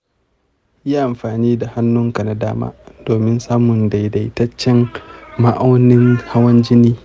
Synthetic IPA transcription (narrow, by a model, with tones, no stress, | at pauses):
jaː˦ʔa˨mɸaː˨niː˦da˨ha˦nːʊ˦ŋka˨na˦da̰ː˦ma̰ː˦d̥oː˨mɪ˦nsaː˦mʊ˨nda˨jda˨˦tɐ˦t͡ʃːɛ˦nma˦ʔa˦wnɪ˦ŋha˦wɐ˦nd͡ʒɪ˦niː˦